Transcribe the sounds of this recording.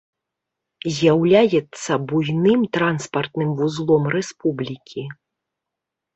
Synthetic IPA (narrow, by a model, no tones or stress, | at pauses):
zʲjawlʲajɛt̪sːɐbujnɨmt̪ɾanspɐrt̪nɨmvuzlˠɔmrɛspublʲikʲi